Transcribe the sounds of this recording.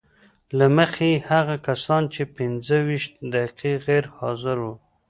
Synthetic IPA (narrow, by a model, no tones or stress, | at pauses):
laməxehaɣakasɑnt͡ʃepɪnzəwiʃt̪̚d̪aqiɣeɾhɑzɪɾwu